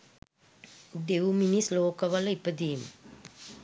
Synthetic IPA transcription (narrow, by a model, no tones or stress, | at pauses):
d̪ewminisloːkəʋələipəd̪iːmə̰